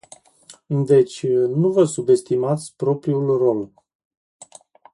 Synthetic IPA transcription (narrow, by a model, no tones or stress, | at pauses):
ɨnd̪e̞t͡ʃʲnuvəsube̞st̪imat̪sʲpɾo̞pɾiulro̞l